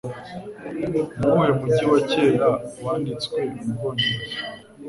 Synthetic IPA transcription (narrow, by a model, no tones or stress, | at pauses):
mumwemuɟiwaceːɾawaːndit͡sweimɡoni